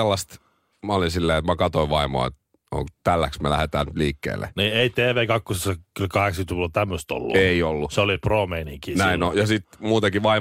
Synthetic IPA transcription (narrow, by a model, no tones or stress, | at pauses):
elːɑst̪ | mɑolinsilːeːet̪mækɑt̪oiʋʋɑimo̰ɑ̰ḛt̪ | o̰ŋt̪ælːæksmelæ̰het̪æːnyt̪liːkːḛːlːḛniːeit̪eːʋeːkɑkːosesːɑkylkɑheksɑkyt̪kilot̪æmːøst̪o̰lːṵeiolːuseoliproːmeiniŋkiːnnæinojɑsit̪muːt̪ekiʋɑi